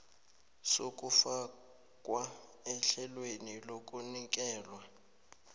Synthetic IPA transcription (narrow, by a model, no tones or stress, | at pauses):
sokʼufa | kʼwa | ɛɬɛlwenilok̬ʼunik̬ʼɛːlwa